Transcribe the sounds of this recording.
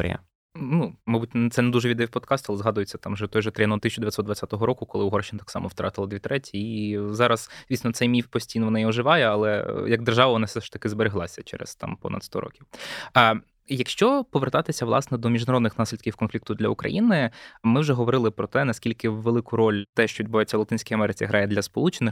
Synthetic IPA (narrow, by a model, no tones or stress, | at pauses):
ɾʲɪ̰ɐ̰ | numɑjbutʲt̪ɛnɛd̪uʒɛʋʲid̪ɛwʲpɔd̪kɑst̪ʊɑlˠɛzɦɑd̪ʊjet͡sʲːɐt̪ɑmʒɛt̪ɔjʒɛt̪ɾjɐnɔt̪ɪsʲt͡ʃʊd̪ɪʋjɐtsɔd̪d̪ʋɐt͡sʲat̪ɔɦɔɾɔkʊkɔlˠɪʊɦɔrʃt͡ʃɪnɐt̪ɑ̥aksɑ̰mɔwt̪ɾʔɑ̰t̪ɪlˠɐd̪ʋʲit̪ɾɛtʲiizɑɾɐsd̥̪ʲiːsʲnɔt̪sɛjmʲifpɔsʲtʲijnɔʋɔnɑiɔʒɪʋɑjɛɐlˠɛ̰jɐɡ̚d̪erʒɑʋɐʋɔnɑfsɛʃʂt̪ɐkɪzbeɾeɦlˠɑsʲɐt͡ʃɛ̰ɾɛ̰st̪ɑ̰mpɔ̰nɐ̰d̪st̪ɔ̰ɾɔ̰kʲiw | jɐkʃt͡ʃɔpɔʋert̪ɑt̪ɪsʲɐʋlˠɑsnɛd̪ɔmʲiʒd̪ɐɾɔd̪nɪxnɑsʲlʲid̪̚kʲiwkɔnfʲlʲikt̪ʊd̪lʲɐukɾɐ̰jinɪmɪwʒɛɦɔʋɔɾɪlˠɪpɾɔt̪ɛnɐsʲkʲilʲkɪʋelˠɪkʊɾɔlʲt̪ɛʃt͡ʃɔʋʲid̪ʲbʊʋajet͡sʲːɐwlˠɐt̪ɪnʲsʲkɔjɐmɛɾɪt͡sʲiɦɾʔɑjɛd̪lʲɐspɔlˠut͡ʃenɪx